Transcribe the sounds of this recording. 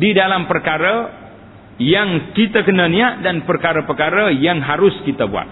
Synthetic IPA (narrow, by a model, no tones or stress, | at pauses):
didalampərkaɾə | jaŋkit̪akənəniaʔdanpərkaɾəpərkaɾəjaŋɦaɾʊskit̪əbua̰t̪̚